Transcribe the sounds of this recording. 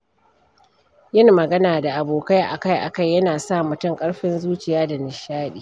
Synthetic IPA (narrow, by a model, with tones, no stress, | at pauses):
jɪ˦ŋmɐ˨ɡɐ˦naː˨da˨ʔa˨boː˨ka˦jʔa̰˨ka˦jʔa̰˨ka˦˨jːɐ˦naː˨sa˦˨mʊ˦tʊ˦˨ŋkʼɐ˦ɽɸɪ˦nzuː˦t͡ʃɪ˨jaː˦da˨nɪ˨ʃaː˦ɗiː˨